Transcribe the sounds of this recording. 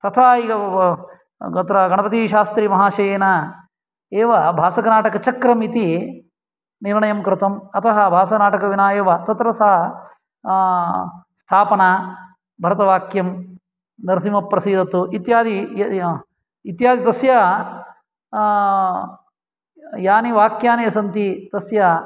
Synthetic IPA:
t̪ɐt̪ʰaːiːɡɐ | ɡɐt̪ɾɐɡɐɳɐpɐt̪iʃaːst̪ɾimɐɦaːʃɐjeːnɐ | eːʋɐbʱaːsɐknaːʈɐkɐt͡ʃɐkɾɐmit̪i | niɾɳɐjɐmkɾɪt̪ɐmɐt̪ʰɐɦɐbʱaːsɐnaːʈɐkɐʋinaːjɐʋɐt̪ɐt̪ɾɐsɐɦɐ | st̪ʰaːpɐnaː | bʱɐɾɐt̪ɐʋaːkjɐm | d̪ɐɾsimɐpːɾɐsiːd̪ɐt̪uit̪jaːd̪i | it̪jaːd̪ʱit̪ɐsjɐ | jaːniʋaːkjaːnejɐsɐnt̪it̪ɐsjɐ

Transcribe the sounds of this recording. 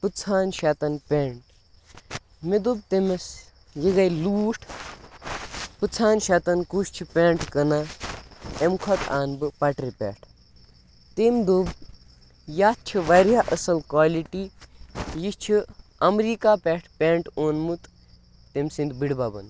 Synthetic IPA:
pɨt͡sʰaːnʃat̪ɐnpʲeɳʈ | med̪ub̚t̪emes | jiɡɐjluːʈʰ | pɨt͡sʰaːnʃat̪ɐnkuʃt͡ʃʰipʲeːɳʈkɐna | emkʰot̪ʰa̰ːnbɨpɐʈɾipʲḛːʈʰ | t̪emd̪ob | jat̪̚t͡ʃʰiʋaɾjaʔəsɐlkʋaːliʈi | jist͡ʃʰiɐmɾiːkapʲeʈʰpʲeɳʈoːnmut̪ː | emsind̪biɽbabɐ̰n

